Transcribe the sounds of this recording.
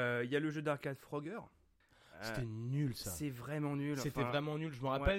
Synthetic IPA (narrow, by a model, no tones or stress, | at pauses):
øiljaləʒød̪aʁkad̪fχɔɡœʁ | set̪ɛnylsassɛvʁɛmɑ̃nylɑ̃sẽft̪ɛ̃vʁɛmɑ̃nylʒəməʁawpɛl